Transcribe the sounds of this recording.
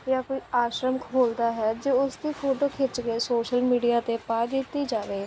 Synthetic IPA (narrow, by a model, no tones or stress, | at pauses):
jaːkoːiːaːʃɾəməkʰɦoːld̪aːɦɛːd͡ʒeːʊsd̪iːpʰoːʈoːkʰet͡ʃɡeːsoːʃəlmiːɖijaːt̪eːpaːd̪iːt̪iːd͡ʒaːʋeː